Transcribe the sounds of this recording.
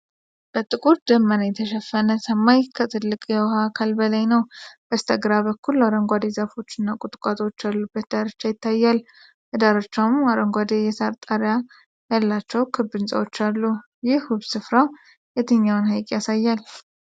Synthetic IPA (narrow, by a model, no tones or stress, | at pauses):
b̥ət̪ʼɨkʼuɾd̪əmːənajɛt̪ʰəʃɛfːənəsəmːajkʰət̪ʰɨlːɨkʼjɛwhakʰalbəlajnəwb̥əst̪ʰəɡɾaβəkʰːulːaɾəŋɡʷad̪e̞zəfo̞t͡ʃːɪnːakʼʊt̪ʼkʼat̪ʼwot͡ʃːalːubːət̪d̪aɾɨt͡ʃːajɪt̪ːajːal | ʔɨd̪aɾɨt͡ʃːawmaɾəŋɡʷad̪ejɛsaɾt̪ʼaɾja | jalːat͡ʃːɛwkʰɨbːɨnsʼə̰wot͡ʃːalːu | jɪhhuβsɨfɾaw | jɛt̪ʰɨɲːawnhajkʼjasajːal